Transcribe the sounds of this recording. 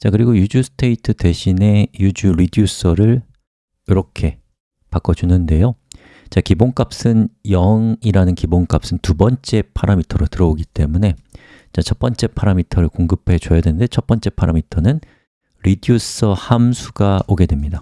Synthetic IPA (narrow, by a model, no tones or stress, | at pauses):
t͡ɕakɯɾiɡojud͡ʑusʰɯ̥tʰe̞itʰɯte̞ɕʰine̞jud͡ʑuɾidius͈ʰʌɾɯɭ | iɾʌkʰe̞ | pak͈ʌd͡ʑunɯnde̞jo | t͡ɕakiboŋk͈ap̚s͈ɯnjʌŋiɾanɯnkiboŋk͈ap̚s͈ɯntubʌnt͡ɕ͈e̞pʰaɾamitʰʌɾotɯɾʌoɡit͈e̞mune̞ | t͡ɕat͡ɕʰʌp͈ʌnt͡ɕ͈e̞pʰaɾamitʰʌɾɯɭkoŋɡɯpʰe̞t͡ɕojadwenɯndet͡ɕʰʌp͈ʌnt͡ɕ͈e̞pʰaɾamitʰʌnɯn | ɾidius͈ʰʌhamsʰuɡaoɡe̞dwe̞mɲida